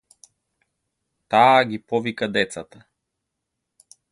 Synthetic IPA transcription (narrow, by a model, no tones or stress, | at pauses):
t̪aːɡʲipɔvikad̪ɛt̪sat̪a